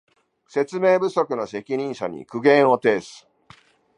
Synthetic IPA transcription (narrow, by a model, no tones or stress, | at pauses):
se̞t͡sɨme̞ːbɯ̟so̞kɯ̟no̞se̞kʲiɲ̟ĩɰ̃ɕa̰ɲ̟ḭkɯ̟ɡẽ̞ɰ̃o̞t̪e̞ːsɨ̥